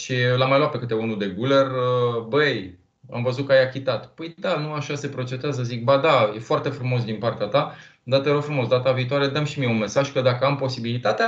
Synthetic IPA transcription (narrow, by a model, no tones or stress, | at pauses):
ʃilamajlwat̪̚pe̞kɨt̪e̞unud̪e̞ɡulerəbej | a̰mvəzut̪̚kəajakʲit̪at̪pəjd̪anuaʃase̞pɾo̞t͡ʃet̪eazəzik̚bad̪ajefoart̪e̞fɾumo̞s̬d̪inpart̪eat̪a | d̪at̪əeɾofɾumo̞s̬d̪at̪aviːt̪oaɾed̪amʃimijeunme̞saʒkəd̪akəampo̞sibilit̪at̪ea